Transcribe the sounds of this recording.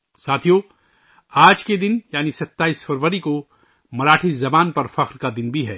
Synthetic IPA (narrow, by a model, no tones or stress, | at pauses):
saːt̪ʰijo | aːd͡ʒked̪ɪnjaːnisɐt̪ːaːiːsfɐɾʋəɾiko | mɐɾaːʈʰizɐbaːnpɐɾfɐqɾkad̪ɪnbʱiɦɛː